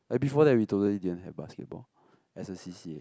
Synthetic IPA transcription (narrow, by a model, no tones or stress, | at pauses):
abifɔdɛɹitotəlididə̃nɦɛvbaskɛ̰t̚bɔ̰l | ɛsəsisie